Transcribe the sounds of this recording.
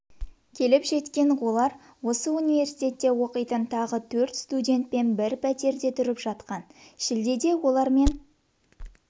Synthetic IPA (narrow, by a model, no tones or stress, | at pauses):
kʲʰe̞lɪpʒe̞t̪kʲe̞no̞lˠɑɾ | wo̞səunijve̞ɾsijt̪ʲe̞t̪ːe̞wo̞qəjt̪ənt̪ʰɑʁət̪ʰɵɾt̪st̪udʲe̞nt̪̚pe̞nbɪɾpʰæt̪e̞ɾd̪e̞t̪ʰʏɾɪpʒɑt̪qɑnʃɪld̪ed̪e̞wo̞lˠɑɾme̞n